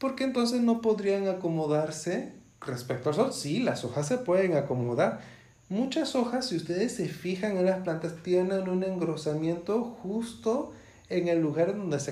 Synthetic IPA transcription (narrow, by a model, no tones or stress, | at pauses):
po̞ɾkent̪o̞ns̬e̞zno̞po̞ðɾiaŋako̞mo̞ðaɾse̞ | respek̚t̪oals̬osila̰so̞xasːe̞pwe̞ðeŋako̞moðaɾ | mut͡ʃaso̞xasːiust̪e̞ðesːe̞fixaŋenlasplant̪ast̪jenenune̞ŋɡɾo̞samje̞nt̪o̞xust̪o̞ | e̞ŋe̞lːuɣaɾeðo̞nd̪ese